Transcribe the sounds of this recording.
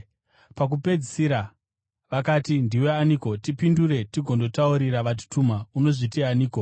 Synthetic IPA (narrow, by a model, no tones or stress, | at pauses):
pak̬upe̞d͡zisiɾa | ʋakatindiwe̞aniko̞tipinduɾe̞tiɡʱo̞ndo̞tauɾiɾaʋat̬i̥tumauno̞ʐitianiːko